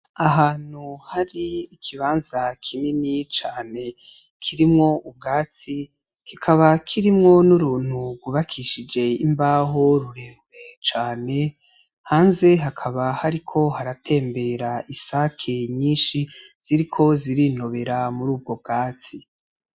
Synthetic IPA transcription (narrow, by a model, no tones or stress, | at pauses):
aɦaːn̥huhaɾiːkʰiβaːnzakʰininit͡ʃaːne̞ | kʰiɾimŋo̞ub̚ɡaːt͡si | kikʰaβakʰiɾimŋo̞nuɾuːn̥huɡuβakʰiʃid͡ʒe̞imbaːɦo̞ɾuɾeːmwe̞t͡ʃaːne̞ | haːnze̞ɦakʰaβahaɾikʰo̞haɾatʰe̞ːmbe̞ɾaisakʰeɲiːnʃiz̥iɾikʰo̞ziɾino̞βe̞ɾamuɾuːb̚ɡo̞b̚ɡaːt͡si